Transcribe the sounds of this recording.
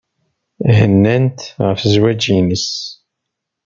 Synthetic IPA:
ɦənːænt̪ʁəfzwæd͡ʒinəs

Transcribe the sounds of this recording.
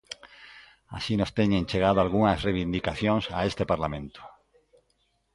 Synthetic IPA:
a̰sinost̪eɲẽnt͡ʃeɣ̞að̞oalɣ̞uŋasreβind̪ikaθjoŋsa̰est̪epaɾlamẽnt̪o̥

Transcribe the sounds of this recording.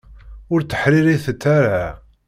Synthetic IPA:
ʊɾt̪ːə̥ħɾiɾiθət͡s̪ːaɾa

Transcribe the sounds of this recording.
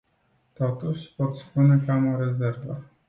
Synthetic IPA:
t̪ɔt̪uʃpɔt̪spunɛkamɔɾɛzɛɾvə

